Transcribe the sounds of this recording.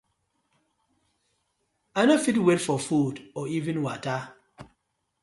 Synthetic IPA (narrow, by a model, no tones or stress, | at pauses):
anɔfit̬wɛtfɔfudɔivĩnwata